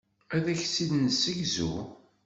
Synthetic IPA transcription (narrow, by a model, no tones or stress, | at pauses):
æðæçsiðnsəʝzṵ